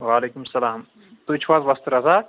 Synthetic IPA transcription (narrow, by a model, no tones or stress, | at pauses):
ʋaːleːkumɐsɐlaːm | t̪uit͡ʃʰʋaːzʋɐst̪ɾɐzaː